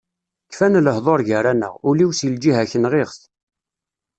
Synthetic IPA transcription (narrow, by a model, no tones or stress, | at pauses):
kːfænləhðˤoɾʝəɾanə̰ʁʊliwsild͡ʒiɦæçənʁeʁθ